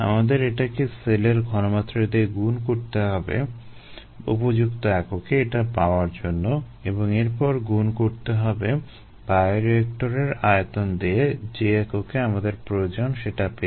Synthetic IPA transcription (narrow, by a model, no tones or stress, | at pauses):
a̰mad̪eɾeʈakeseleɾɡʱɔnomat̪ːɾed̪ieɡunkoɾt̪eɦɔbḛ | ṵpod͡ʑukt̪oɛkokeeʈapaoaɾd͡ʑonːo | eboŋeɾpɔɾɡunkoɾt̪eɦɔbe | bajɾek̚ʈoɾeɾajet̪ond̪eed͡ʑeɛkokeamad̪eɾpɾood͡ʑonʃeʈape